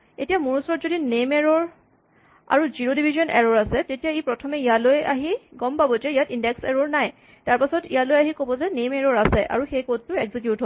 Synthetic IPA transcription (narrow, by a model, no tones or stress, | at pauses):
etijamuɹusɔɹɔtzodinemɛɹɔɹ | a̰ɹuziɹodibʱizɔnʔɛ̰ɹɔɹasɛtetijaipɹɔtʰɔmɛijalojaɦiɡɔmpabɔzɛijatindɛksɛɹoɹnaj | taɹpasɔtḭjalojaɦikobɔzɛnemɛɹɔɹasɛʔa̰ɹuxejkot̚tːʊekzik̬jutɦob